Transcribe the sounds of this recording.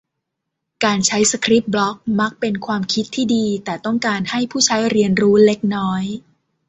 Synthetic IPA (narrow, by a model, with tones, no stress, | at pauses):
kaː˧nt͡ɕʰa˦˥jsa˧kʰɾi˦˥p̚blɔ˦˥k̚ma˦˥k̚pe˧nkʰwaː˧mkʰi˦˥t̪ʰːiː˥˩diː˧t̪ɛː˨˩t̪ɔ˥˩ŋkaː˧nha˥˩jpʰuː˥˩t͡ɕʰa˦˥jɾi˧ənɾuː˦˥le˦˥k̚nɔː˦˥j